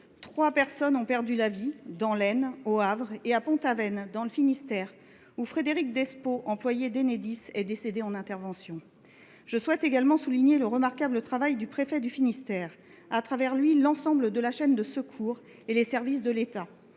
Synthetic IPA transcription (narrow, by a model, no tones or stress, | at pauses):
t̪χwapɛʁsɔnɔ̃pɛʁd̪ylavid̪ɑ̃lɛnoavʁeapɔ̃t̪avɛnd̪ɑ̃ləfinist̪ɛʁ | ufχed̪eʁik̚d̪ɛspoʔɑ̃plwajed̪ened̪isɛd̪esed̪eɑ̃nɛ̃t̪ɛʁvɑ̃sjɔ̃ | ʒ̥əswɛt̪eɡalmɑ̃suliɲeləʁəmaʁkablət̪χavajd̪ypχefɛd̪yfinist̪ɛːʁ | at̪χavɛʁlɥilɑ̃sɑ̃bləd̪əlaʃɛnd̪əsəkʰuːʁ | elesɛʁvis̬d̪əlet̪a